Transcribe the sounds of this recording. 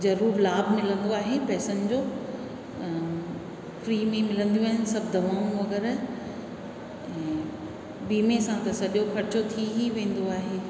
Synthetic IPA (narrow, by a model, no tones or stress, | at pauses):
d͡ʑɐɾuːɾlaːbʱmɪlə̃nd̪oaːɦepɛːsənɪ̆d͡ʑoː | fɾiːmẽmɪlə̃nd̪iũaːɦɪn̆sɐbʱɪd̪ʱɐʋaːũʋɐɡɛːɾ | ɛ̃ː | biːmesãt̪ɐsɐʄokʰɐɾɪt͡ɕot̪ʰiɦiʋẽːn̆d̪oaːɦeː